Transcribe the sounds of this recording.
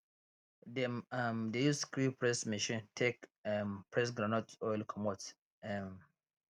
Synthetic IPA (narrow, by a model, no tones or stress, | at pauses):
dɛmamdejuskɹipɹɛsmiʃĩntʰekmpɹɛs̬ɡɾanɔtɔjlkʰɔmɔt | ɛm